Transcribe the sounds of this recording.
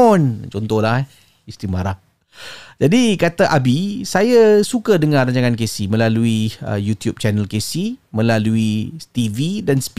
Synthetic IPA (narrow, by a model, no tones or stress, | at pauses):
ɔnt͡ʃɔnt̪ɔhlah | ist̪ɾimaɾah | d͡ʒadikat̪aʔabisajasukadəŋãraɲt͡ʃaŋankesimə̃laluiə̰jut̪jup̚t͡ʃanəlkesimə̃laluit̪ividansp